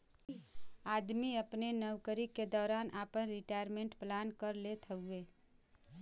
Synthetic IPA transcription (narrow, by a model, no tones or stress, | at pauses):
ad̪miəpnenəwkəɾiked̪ɔːɾanʔapənɾiʈajəɾmẽɳʈplankəɾlet̪ʰəue